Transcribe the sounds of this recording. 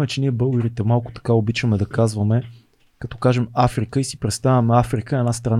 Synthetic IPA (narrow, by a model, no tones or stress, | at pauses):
mɛt͡ʃɛniɛbɤlˠɡəɾit̪ɛmalˠkʊ̥t̪ɐ̥kaobit͡ʃəmɛd̪ɐkazvɐmɛ | kɐt̪ɔkaʒɛmafɾikəisi̥pɾɛt̪st̪avʲɐmɛafɾikəɛnast̪ɾɐn